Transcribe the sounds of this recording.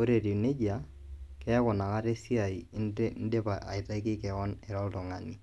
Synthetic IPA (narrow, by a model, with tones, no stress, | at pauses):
o˦ɾe˨ɾi˨ne˦d͡ʒa˨ | kɛ˦kʊ˨na˨ŋa˦ɾe˦si˦a˨i˨n̩˦de˦pa˨a̰˨ɪ˨ta˦i˦kɪ˦kɛ˨kɔ˦nɛ˨ɾɔ˦ltʊ˨ŋa˨ni˨